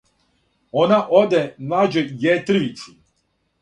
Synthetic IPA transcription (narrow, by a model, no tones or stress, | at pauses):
o̞naʔod̪emlˠad͡ʒejjet̪ɾiʋit̪si